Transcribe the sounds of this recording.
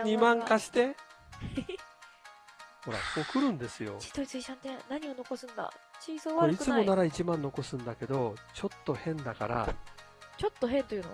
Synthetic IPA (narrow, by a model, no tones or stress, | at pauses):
ɲimãŋkaɕi̥t̪e̞ | ho̞ɾa̰ko̞ːkɯ̟ɾɯ̟̃nd̪e̞sɨjo̞̰t͡ɕi̥t̪oit͡sɨiɕãnt̪ẽnaɲ̟iono̞ko̞sɨ̃nd̪a̰t͡ɕiːsoːβaoɯikɯt͡sɨmo̞naɾait͡ɕimãnːo̞ko̞sɨ̃nd̪ake̞d̪o̞t͡ɕo̞t̪ːo̞hẽ̞nd̪aka̰ɾa̰ | t͡ɕo̞t̪ːo̞ɦẽ̞nt̪o̞jɯ̟n̰